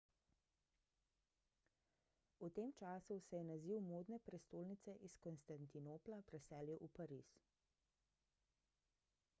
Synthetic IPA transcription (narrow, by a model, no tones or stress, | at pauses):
ut̪eːmt͡ʃaːsusɛjɛnaziːwmoːd̪nɛpɾɛst̪oːlnit̪sɛʔiskɔnst̪ant̪inoːplapɾɛsɛːljɛʔupaɾḭːs